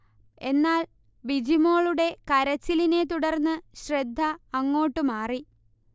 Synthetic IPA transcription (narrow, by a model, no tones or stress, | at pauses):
e̞nːaːl | bid͡ʑimo̞ːɭuɽe̞kɐɾɐt͡ɕːiline̞t̪̬uɽɐrnːɨɕred̪ʱːɐːŋːo̞ːʈːumaːri